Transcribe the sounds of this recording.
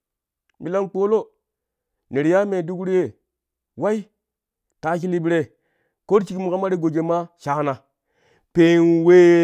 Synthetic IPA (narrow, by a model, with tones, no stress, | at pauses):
bi˨la˦nk͡po˦lo˦ | ne˨ɾja˦me˨du˦kɾi˦je˨ | wa˦i˦ | ta˨˦k̬i˦li˦bi˦ɾe˨ | ko˦ɾt͡ʃi˦kmu˨ka˦ma˦ɾi˦ɡo˨d͡ʒe˨ma˦ʃa˨˦na˨ | pe˦nwe˦